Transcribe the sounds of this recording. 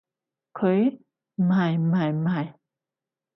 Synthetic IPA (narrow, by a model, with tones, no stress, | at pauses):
kʰə˨˧˦j | ma˨jma˨jma˨j